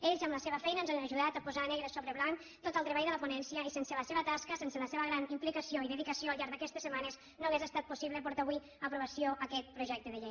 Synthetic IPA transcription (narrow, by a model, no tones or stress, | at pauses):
eʎzəmləseβəfɛjnənzanəʒuðat̪əpuzanɛɣɾəsoβɾəβlan | t̪ot̪əlˠt̪ɾəβajðələpunɛnsiəisensələseβət̪askəsensələseβəɣɾanimplikəsioiðəðikəsioəlˠʎaɾɡðəkɛst̪esəmanez | noɣezəst̪at̪̚pusiβləpɔɾt̪aβwi | əpɾuβəsioʔəkɛt̪̚pɾuʒɛk̚t̪əðəʎej